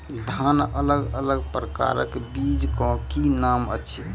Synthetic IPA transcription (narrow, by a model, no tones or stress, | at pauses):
d̪ʱanələɡələɡpɾəka̰ɾəkbid͡ʒkɔ̃kinamə̰tːt͡ʃʰi